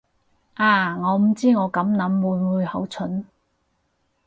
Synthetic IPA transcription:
ʔaː˨˩ŋɔː˨˧m̩˨˩t͡siː˥ŋɔː˨˧kɐ˨˧˥mnɐ˨˥mːuː˨˧jmuː˨˧jhɐ˨˥wt͡sʰɵ˨˥n

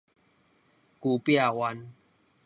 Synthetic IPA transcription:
ku˧pja˥˨wa˧n

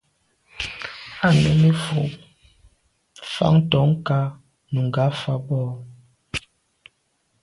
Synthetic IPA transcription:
a˦˨nɛ̰˨˦me˦fo˨˦ | fa̰˦ŋ˦tɔ˨˦ŋ˦ka˦ | nu˨ŋ˨ɡa˨˦fa˦bɔ˦

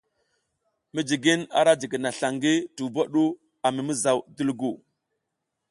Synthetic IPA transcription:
mi˦d͡ʒi˨ɡi˦na̰˨ɾa˦d͡ʒi˨ɡi˨na˨ɬa˨ŋɡi˦tu˨ba˦ɗu˦ | a˨mi˨mi˦za˨wdu˦lɡu˨

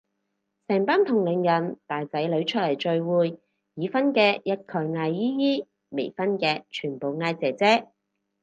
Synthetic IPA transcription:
sɛː˨˩ŋpaː˥nt̪ʰʊ˨˩ŋlɪ˨ŋjɐ˨˩nt̪aː˨jt͡sɐ˨˥jlɵ˨˥ɥt͡ʃʰɵ˥t̚lɐ˨˩jt͡ʃɵ˧ɥwuː˨˧j | jiː˨˧fɐ˥nkɛː˧jɐ˥t̚kʰœ˨˧˩jŋaː˧jːiː˥jiː˥ | me˨˩jfɐ˥nkɛː˧t͡ʃʰyː˨˩npo˨wŋaː˧jt͡sɛː˨t͡sɛː˥

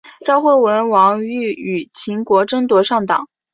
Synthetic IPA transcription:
ʈ͡ʂɑ˥˧ʊxwe˥˩ɪwə˧˥nwɑ˧˥ŋy˥˩y˨˩t͡ɕʰi˧˥ŋkwɔ˧˥ʈ͡ʂɤ˥ŋt̪wɔ˧˥ʂɑ˥˩ŋt̪ɑ̰˨˩˦ŋ

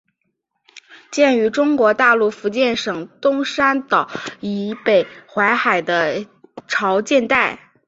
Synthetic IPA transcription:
t͡ɕjɛ˥˩ny˧˥ʈ͡ʂʊ˥ŋkwɔ˧˥t̪a˥˧lu˥˩fu˧˥t͡ɕjɛ˥˩nʂɤ˨˩ŋt̪ʊ˥ŋʂa˥nt̪ɑ˨˩˦ʊi˧˥pe˨˩ɪxwa˧˥ɪxa˨˩ɪd̪ə˦ʈ͡ʂʰɑ˧˥ʊt͡ɕjɛ˥˧nt̪a˥˩ɪ

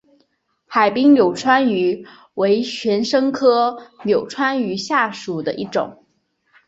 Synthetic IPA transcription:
xa˨˩ɪpi˥ŋnjo˨˩ʊʈ͡ʂʰwa˥ny˧˥ | we˧˥ɪɕʰɥɛ˧˥nʂɤ˥ŋkʰɤ˥njo˨˩ʊʈ͡ʂʰwa˥ny˧˥ɕja˥˩ʂu˨˩d̪ə˦ʔi˥˩ʈ͡ʂʊ̰˨˩˦ŋ

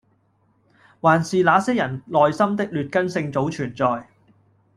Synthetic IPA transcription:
waː˨˩nsiː˨laː˨˥sɛː˥jɐ˨˩nlɔː˨jsɐ˥mt̪ɪ˥k̚lyː˨t̚kɐ˥nsɪ˧ŋt͡so˨˥wt͡ʃʰyː˨˩nt͡sɔː˨j

